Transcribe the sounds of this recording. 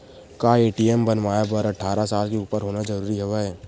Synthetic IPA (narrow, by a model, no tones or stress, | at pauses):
kaːeːʈiɛmbənʋaːjabəɾɐʈʰaːɾasaːlkeuːpəɾɦoːnad͡ʒɐɾuːɾiɦoʋaɦɛː